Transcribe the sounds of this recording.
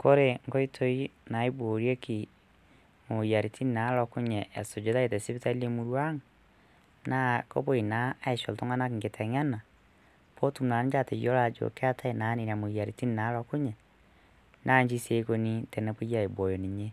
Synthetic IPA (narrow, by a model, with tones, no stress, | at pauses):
ko˦ɾe˦ŋɡo˦i˦tʰo˦i˦na˨i˦bo˨ɾje˦ki˨ | mo˨ja˨ɾi˨tʰi˦ni˦na˨˦lɔ˨ku˦ɲɛ˨ʔːso˨d͡ʒo˨˦ða˦e˨tɛ˨si˦βi˦ta˦le˦mu˦ɾwa˦ŋa | na˦ko˦bo˦i˨naː˦e˨ʃo˨lto˦ŋa˦na˦ki˨ŋɡe˨tʰɛ˨ɲa˦na˨ | po˦tu˦mna˨ni˦d͡ʒa˦te˨jo˦la˦d͡ʒo̰˨ke˦a˦tʰa˦e˨na˨˦ni˨na˨mo˨ja˨ɾi˨ti˦ni˨na˨˦lɔ˨ku˦ɲɛ˨ | nʔa˦ɲd͡ʒi˦se˦ko˦ni˦tɛ˨nɛ˦po˦a˨i˨bo˨jo˨ni˨ɲe˦